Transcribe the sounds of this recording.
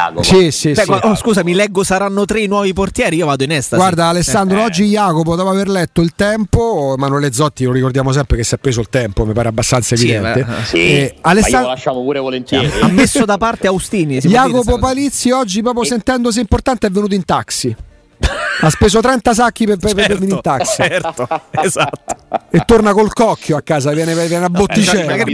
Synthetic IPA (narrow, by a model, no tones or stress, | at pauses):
sisibɛaskuːzamilɛɡːosaɾanːot̪ɾeinwɔːviport̪jɛːɾiiːovaːd̪oinɛst̪aɡward̪aːlesːand̪ɾoɔd͡ʒːijaːkopod̪ɔːpoaverlɛt̪ːoilt̪ɛmpomanuɛled̪zɔt̪ːiloɾikord̪jaːmos̬ɛmpɾekesːapːɾeːzoilt̪ɛmpomipaːɾeabːast̪ant̪saevid̪ɛ̰nt̪e | alːesalaʃːamopuːɾevolent̪jɛːiamːesːod̪apart̪eaust̪iːnisijjaːkopopalit̪sːjiɔd͡ʒːipɾɔːp̬josent̪ɛnd̪os̬eimport̪ant̪eɛvːenut̪̬oint̪aksi | aspeːsot̪ɾɛnt̪as̬ak̟ːipepveeminint̪aksiɾt̪oezat̪ːo̥et̪ːornakolkɔkʰːjoakːaːzavjɛːnevjɛnabːot̪ːit͡ʃɛːmaɡɾ